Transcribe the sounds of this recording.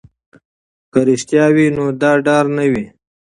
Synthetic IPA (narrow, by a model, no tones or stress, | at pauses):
kəɾiʃt̪jɑwinod̪ɑːɖɑːɾnəwi